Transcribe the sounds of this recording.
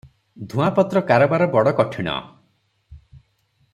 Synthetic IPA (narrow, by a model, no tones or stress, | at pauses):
d̪ʱũapɔt̪ɾɔkaɾɔbaɾɔbɔɽɔkɔʈʰiɽ̃ɔ̰